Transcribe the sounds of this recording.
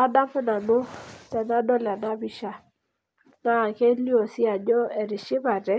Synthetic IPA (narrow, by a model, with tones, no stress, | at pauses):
a˦da˦mpʊ˦na˨nʊ˦ta˨na˦dɔ˦la˨na˦bi˦ʃa˨ | na˦˨ke˦li˦o˨sɪ˦a˨ɲɔ˦e˨ɾɪ˨ʃɪ˦ba˨dɛ˦